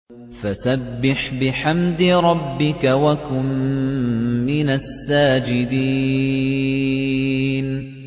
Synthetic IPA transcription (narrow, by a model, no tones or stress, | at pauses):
fasabːɪħbɪħamd̪ɪɾˤɑbːɪkawakʊmː | ɪnasːaːd͡ʒɪd̪iː | n